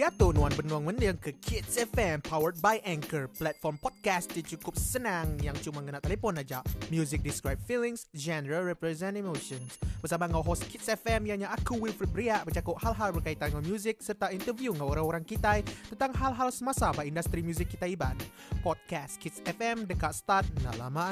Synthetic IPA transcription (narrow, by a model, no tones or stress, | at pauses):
iat̪ʊnuanbənuaŋməndəŋkəkʰit̪sɛfɛmpʰawərt̪̚bajʔɛ̃ŋkərplɛt̪̚fɔrmpɔd̚kast̪̚dit͡ʃukʊp̚sənaŋjaŋt͡ʃumaŋənaʔt̪elefɔnad͡ʒaʔmjuzɪk̚diskɾajb̚filɪŋsd͡ʒɛnəɾalrɛpɾɛzɛ̃ntemoʃɔnsbərsamaŋawɦost̪̚kʰit̪̚sɛfɛmjaɲaʔakuwilfɾit̪̚bəɾiaʔbət͡ʃakʊʔ̚halɦalbərkait̪anŋamjuzɪk̚sərt̪aint̪ərvjuŋaoɾaŋoɾaŋkit̪ajt̪ənt̪aŋɦalɦalsəmasabaindast̪ɾimjuzɪkːit̪aiban | pɔd̚kast̪̚kʰit̪sɛfɛmdəkaʔsə̥t̪art̪̚na̰la̰ma